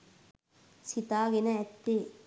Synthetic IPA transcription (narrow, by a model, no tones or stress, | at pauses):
sit̪aːɡenɐɛt̪ːeː